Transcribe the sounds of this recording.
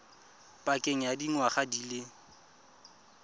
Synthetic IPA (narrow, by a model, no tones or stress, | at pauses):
pʼakʼeŋ̩jadiŋwaχadile